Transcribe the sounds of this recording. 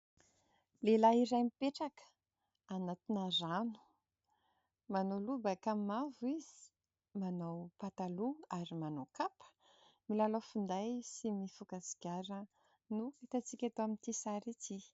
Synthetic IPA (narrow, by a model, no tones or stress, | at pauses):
lelaiɾajmipeʈ͡ʂakə̥ | anat̪inaranu̥ | manolubakammavuiz̥i̥ | manawpat̪aluaɾimanowkapə̥ | milaləfund̪ajsimifukasi̥ɡʲaɾə | nuet̪at͡sikʲat̪oamint̪isaɾit͡si